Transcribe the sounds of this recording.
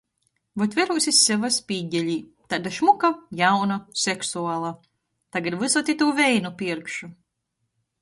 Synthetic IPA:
vɔt̪vʲɛɾuːsʲisʲːɛvaspiːɟʲɛlʲiː | t̪ad̪aʃmukajawnasɛksuaːlˠa | t̪aɡad̪vɨsɔt̪ʲit̪uːvɛjnupʲiɛɾkʃu

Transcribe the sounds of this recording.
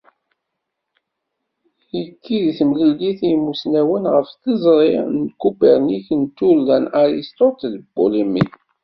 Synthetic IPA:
əkːiðθmliliθimusnæwənʁəfθəzˤɾˤɪnkːubiɾniçənt̪ːulːænaɾist̪ot̪lbṵlimḭθ

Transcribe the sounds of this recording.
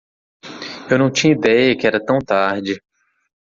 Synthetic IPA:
ewnɐ̃w̃t͡ʃĩɲɐid̪ɛjɐkɪɛɾɐt̪ɐ̃w̃t̪aɾd͡ʒɪ

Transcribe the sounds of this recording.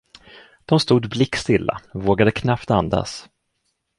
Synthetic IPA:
d̪̥ɔmst̪uːd̪blɪkːst̪ɪlːa̰voːɡad̪əkʰnapt̪and̪a̰s

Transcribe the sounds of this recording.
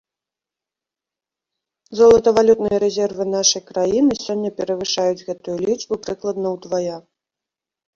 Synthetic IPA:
zɔlˠɐt̪ɐvalʲut̪nɨjɐɾɛzʲɛrvɨnaʂɐjkɾajinɨsʲɔnʲːɐpʲɛɾɐvɨʂajud͡zʲɣɛt̪ujulʲid͡ʐbupɾɨklˠɐd̪nɐwd̪vaja

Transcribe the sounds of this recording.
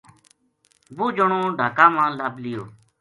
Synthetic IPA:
buːd͡ʒəɳõːɖʱaːkãːmãːlaːblɪjoː

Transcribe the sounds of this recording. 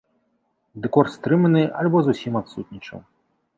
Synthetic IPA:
d̪ɛkɔrt̪st̪ɾɨmɐnɨalʲbɔzusʲimat̪sut̪ʲnʲit͡ʂɨ̰m

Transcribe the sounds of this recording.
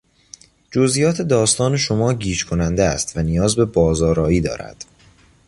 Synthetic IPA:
d͡ʒozʔijɒːt̪ʰe̞d̪ɒːst̪ɒːne̞ʃo̞mɒːɟiːd͡ʒkʰo̞nænd̪eæ̰st̪vænijɒːzbe̞bɒːzɒːɾɒːiːd̪ɒ̰ːɾæ̰d̪̥

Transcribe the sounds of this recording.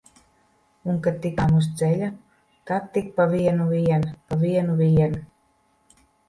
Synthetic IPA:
uŋkat̪ːikamus̬d̪zɛlʲa | kat̪ːik̚paviɛnuviɛnpaviɛnuviɛnu

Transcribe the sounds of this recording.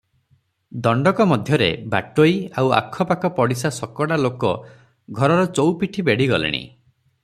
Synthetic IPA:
d̪ɔɳɖɔkɔmɔd̪ʱjɔɾḛba̰ʈojawa̰kʰːɔpakɔpɔɽisasɔkɔɽalokɔ | ɡʱɔɾɔɾɔt͡ʃowpiʈʰibeɽiɡɔlḭɽ̃ḭ

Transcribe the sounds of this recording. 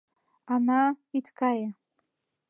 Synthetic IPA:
anaitʰkaja

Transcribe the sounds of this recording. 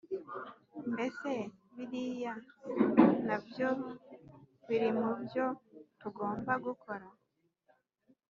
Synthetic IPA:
nbe̞se̞βiɾija | nabjo | βiɾimubjo̞tuɡo̞ːmbaɡukʰo̞ɾa

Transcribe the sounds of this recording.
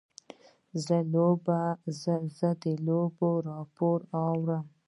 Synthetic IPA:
zəlobazəzəd̪əloboɾɑpoɾawɾəm

